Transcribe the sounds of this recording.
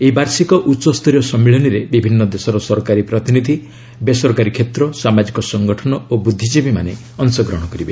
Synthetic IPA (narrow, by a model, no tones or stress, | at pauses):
eibaɾsikɔʔuːsɔst̪ʰɔɾjɔsɔmiɭɔniɾebibʱinːɔd̪esɔɾɔsɔɾɔkaɾipɾɔt̪inid̪ʱi | besɔɾkaɾikʰet̪ɾɔsamad͡ʒikɔsɔŋɡɔʈʰɔnɔobud̪ʱːid͡ʒibima̰ne | ɔnsɔɡɾɔɦɽ̃ɔkɔɾibe